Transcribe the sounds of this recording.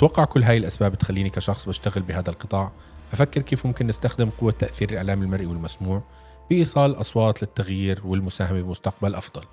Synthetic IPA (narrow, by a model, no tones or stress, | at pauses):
t̪wɑqːɑʕkʊlːɦaːjɪlʔasbaːbɪt̪xalːiːnikaʃɑxsˤbɪʃt̪aɣɪlbɪɦaːðalqɨt̪ˤɑːʕ | ʔafakːɪɾkeːfmʊmkɪnːɪst̪axd̪ɪmqʊwːat̪ːaʔθiːɾɪlʔaʕlaːmɪlmaɾˤʔiwɪlmasmuːʕ | b̥ɪʔiːsˤɑːlʔɑsˤwɑːt̪ˤlɪt̪ːaɣjiːɾwɪlmʊsaːhamabɪlmʊst̪aq̚balʔɑfd̪ˤɑl